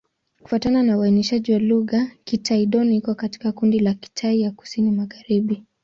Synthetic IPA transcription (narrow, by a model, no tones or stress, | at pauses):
ku̥fatananawainiʃaʄiwaluɣakitʰaiɗɔniikɔkati̥kakundilaki̥tʰaijaku̥sinimaɣaɾiɓi